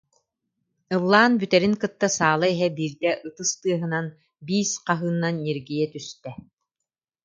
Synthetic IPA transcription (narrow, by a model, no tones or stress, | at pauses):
ɯlˠːaːnbyt̪ɛɾiŋkɯt̪ːasaːlˠaɛɦɛbiːɾd̪ɛʔɯt̪ɯst̪ɯɐɦɯ̆nan | biːsqaɦɯːnːanːeɾɡijɛt̪yst̪ɛ